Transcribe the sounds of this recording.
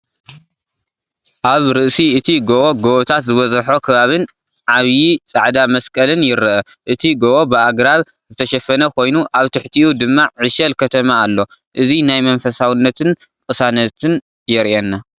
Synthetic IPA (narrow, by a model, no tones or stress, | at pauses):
ʔaβɾɨʔsiɨt̪ʰiɡoʔoɡoʔot̪ʰat̪zɨβɐzʼħo̞kʰɨβaβɨn | ʕaβjit͡sʼaʕd̪amɐskʼɐlɨnjɪɾɨʔɐ | ʔɨt̪ʰiɡoʔobɨʔaɡɾaβ | zɨt̪ʰɐʃɐfɐnɐkʰo̞jnuʔaβt̪ʰɨħt̪ʰiʔud̪ɨmːaʕɨʃɐlkʰɐt̪ʰɐmaːlːo̞ | ʔɨzinajmɐnfɐsawɨnːɐt̪ʰɨn | kʼɨsanɐt̪ʰɨn | jɪɾenːa